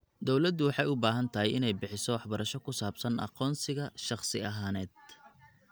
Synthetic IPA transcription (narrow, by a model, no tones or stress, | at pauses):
d̪ɔwlɐd̪ːʊwɑħɑjʊbaːɦɐnt̪ʰɐɦɛjɪnɛjbɪħɪsɔwɑħbɐɾɐʃɔkʰʊsaːbsɐnɑ̰qɔːnsɪɣɐʃɑχsɪɐɦaːnɛːd̪̥̚